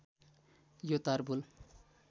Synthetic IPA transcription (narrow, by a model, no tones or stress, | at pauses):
jot̪aɾbul